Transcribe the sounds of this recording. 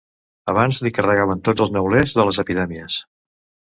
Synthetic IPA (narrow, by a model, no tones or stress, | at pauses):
əβ̞anzlikərəɣaβ̞ənt̪od͡zəlˠznəwlezðələzəpiðɛmiəs